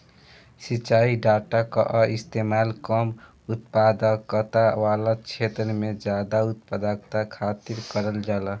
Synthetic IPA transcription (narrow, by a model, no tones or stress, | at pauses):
sit͡ʃaiɖaʈaka̰ʔist̪emalkəm | ut̪pad̪əkːət̪aʋalat͡ʃʰet̪ɾəmed͡ʒjad̪aut̪̚pəd̪akt̪akʰat̪iɾkəɾəld͡ʒala